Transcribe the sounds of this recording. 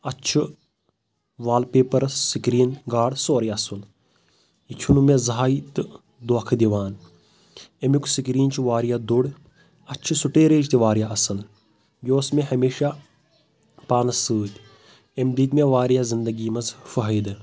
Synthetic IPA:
ɐt͡ʃʰu | ʋaːlpeːpɐɾsikɾiːnɡaːɽsoːɾiɐsul | ikʲʰunumezɦaːit̪ɨ | d̪okʰd̪iʋaːn | emjuksikɾiːnt͡ʃuʋaːɾijad̪uɽ | ɐt͡ʃʰusuʈeːɾeːd͡ʒt̪iʋaːɾjaɐsɐn | joːsmeɦɐmeːʃa | paːnɐsɨːt̪ʲ | emd̪iːt̪meʋaːɾjazind̪ɐɡiːmɐzfɐɦəjd̪ɨ

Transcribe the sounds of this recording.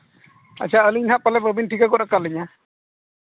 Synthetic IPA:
a̰t͡ʃʰaəliɲhaʔ̚palɛpɾɔbʱinʈʰikakɔtakaliɲa

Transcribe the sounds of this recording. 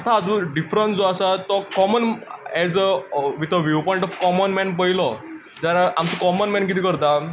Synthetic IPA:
ət̪ʰaːd͡zoɖifɾənsd͡zoasat̪ɔkɔmənɛd͡zəʋit̪ʰəʋjupɔĩɳʈɔfkɔmənmɛnp̬əɦilɔ | d͡zaɾamt͡sɔkɔmənmɛnkit̪̬ʰiːkəɾt̪a

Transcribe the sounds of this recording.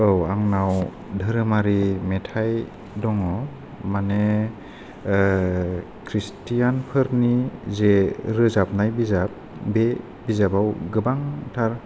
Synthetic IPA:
owaŋnaw | dʱɯɾɯmaɾimetʰaj | dɔŋɔ | mane | kʰɾistijanpʰɯɾnizeɾɯzap̚najbizap̚be | bizabawɡɯbaŋtʰaɾ

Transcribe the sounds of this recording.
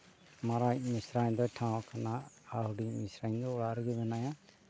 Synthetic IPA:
maɾajmisɾaɲd̪ɔjtʰãwkʰanaː | hudimisɾaɲd̪ɔɔɽaɾɯɡɛbɛnaja

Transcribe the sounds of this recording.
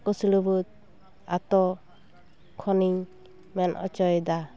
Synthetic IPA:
kɔsilubut̪̚ | at̪ɔ | kʰɔniɲ | mɛnʔɔ̰t͡ʃɔjd̪a

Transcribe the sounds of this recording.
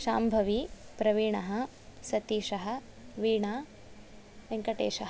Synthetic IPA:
ʃaːmbʱɐʋipɾɐʋiːɳɐɦɐ̆ | sɐt̪iːʃɐɦɐ̆ | ʋiːɳaː | ʋɐŋkɐʈḛːʃɐɦɐ

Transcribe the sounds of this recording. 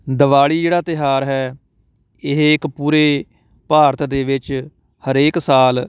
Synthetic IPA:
d̪əʋaːɭiːd͡ʒeːɽaːt̪ɪɦaːɾɦɛː | ɪɦɪkpuːɾeː | paːɾət̪ʰd̪eːʋɪt͡ʃ | həɾeːksaːl

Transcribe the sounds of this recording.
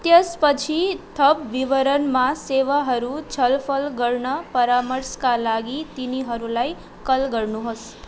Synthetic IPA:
t̪jəspət͡ʃʰit̪ʰʌpʋiʋəɾənmãseʋaɦʌɾut͡ʃʰʌlpʰəlɡəɾɳəpəɾaməɾskalaɡit̪iniɦʌɾulaj | kʌlɡəɾnuɦos

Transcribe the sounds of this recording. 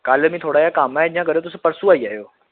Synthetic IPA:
kaːləmĩt̪ʰoːɽaːjakaːmaɦed͡ʑʱɦãk̬ɐɾeot̪ʊsũpɐɾsuaːiaːɦjoː

